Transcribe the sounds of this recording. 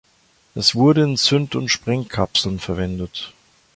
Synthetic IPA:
ʔɛsv̥ʊɐɾəɪnt͡sʏntʊntʃpʁ̥ɛŋkʰapsl̩nfɛɐvɛndət

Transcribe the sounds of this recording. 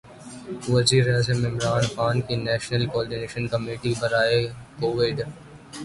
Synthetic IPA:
ʋɐziːɾeaːzəmɪmɾaːnxaːnkinɛːʃnəlkoɔːɾɖineːʃənkɐmeːʈibʱɐɾaːekoːʋɪɖ

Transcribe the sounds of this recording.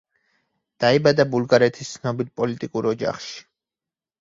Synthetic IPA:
d̪̥aibad̪abulˠɡaɾɛt̪ʰi̥st̪sʰnɔbilpʼɔlit̪ʼikʼuɾɔd͡ʒa̰χʃi̥

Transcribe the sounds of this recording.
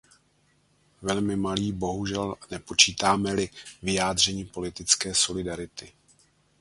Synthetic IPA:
vɛlmɪmaliːbo̞ɦuʒɛlnɛpo̞t͡ʃiːt̪aːmɛlɪvɪjaːd̪r̝ɛɲiːpo̞lɪt̪ɪt͡skɛːso̞lɪdaɾɪt̪ɪ

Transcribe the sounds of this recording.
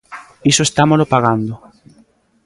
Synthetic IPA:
isoest̪amolopaɣand̪o

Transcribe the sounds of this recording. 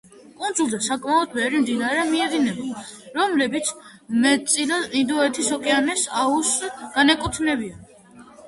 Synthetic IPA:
kʼund̪zulˠd̪asakʼmaɔd̪̚mɛvɾimd̪inaɾɛmiɛd̪inɛbɔɾɔmlɛbit̪sʰ | mɛtt̪sʼilaind̪ɔɛt̪ʰisɔkʼɛanɛsausɡ̥anɛkʼut̪ʰnɛbian

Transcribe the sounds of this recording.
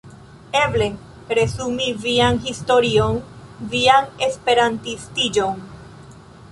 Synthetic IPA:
e̞ble̞ | pɾe̞sumivianɦist̪oɾion | viane̞spe̞ɾantist̪id͡ʒo̞n

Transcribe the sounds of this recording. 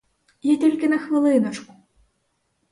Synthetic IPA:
jat̪ʲɔlʲkʲinɐxmɨlˠɨnɐt͡ʂku̥

